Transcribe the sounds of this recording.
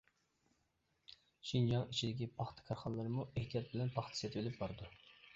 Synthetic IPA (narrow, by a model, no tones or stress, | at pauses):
ʃind͡ʒɑŋit͡ʃʰid̪ɪkʲipʰɑχt̪ʰɨ̥kʰɑɾχɑnlˠɨɾɨmueht̪ʰijɑt̪̚bɪlɛnpʰɑχt̪ʰɨ̥sjɛt̪belɪp̚bɑɾɨd̪u